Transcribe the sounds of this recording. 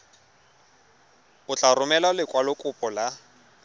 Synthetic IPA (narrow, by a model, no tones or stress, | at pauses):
ʊt͡ɬʼarʊmɛlalɪkʼwalʊkʼʊpʼɔla